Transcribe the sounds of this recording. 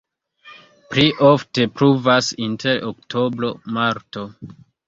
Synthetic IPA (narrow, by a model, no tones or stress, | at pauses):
pɾiʔo̞fte̞pɾuvasintʰe̞ɾoktʰo̞bɾo̞maɾto̞